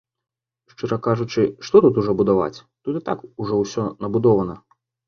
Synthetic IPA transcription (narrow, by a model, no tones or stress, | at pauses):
ʂt͡ʂɨɾɐkaʐut͡ʂɨʂt̪ɔt̪ut̪uʐɔbud̪ava̰t͡sʲt̪ut̪ɨt̪a̰kuʐɔwsʲɔnɐbud̪ɔvɐnɐ